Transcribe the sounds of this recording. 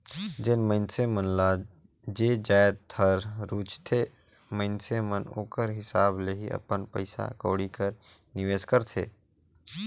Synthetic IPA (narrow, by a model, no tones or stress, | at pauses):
d͡ʒenmə̃ɪnsemənla | d͡ʒed͡ʒaːjd̪t̪ʰːəɾɾut͡ʃt̪ʰe | mə̃ɪnseməno̰ːkəɾɦɪsaːbleɦiə̰pənpə̰ɪsa̰koːɽikəɾniʋeːskəɾt̪ʰḛː